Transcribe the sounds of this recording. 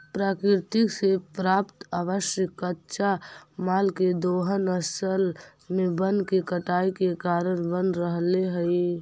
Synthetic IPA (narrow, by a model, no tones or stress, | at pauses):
pɾaːkɪɾt̪ɪksepɾaːpt̪aːʋəʃjəkːətːʃamaːlked̪oːɦənəsəl | mẽbənkekəʈaːikekaːɾəɽ̃bənɾəɦleɦəi